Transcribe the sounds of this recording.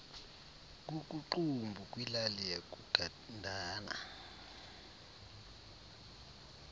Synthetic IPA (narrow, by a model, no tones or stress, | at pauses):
k̬ʼuk̬ʼuǃumbʱukʼwilalijak̬ʼuɡ̥ʱa | ndʱaːna̰